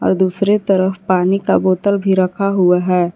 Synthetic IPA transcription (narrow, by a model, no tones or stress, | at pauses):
ɔ̰ːɾd̪uːsɾet̪ɐɾəfpaːnikaboːt̪əlbʱiɾɐkʰaɦʊaɦɛː